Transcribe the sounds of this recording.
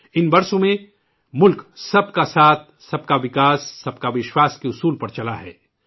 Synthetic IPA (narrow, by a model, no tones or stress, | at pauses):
ɪnbɐɾsõmẽ | mʊlksɐbkasaːt̪̚ʰsɐb̚kaʋɪkaːsːɐb̚kaʋɪʃwaːskeʊsuːlpɐɾt͡ʃɐlaɦɛː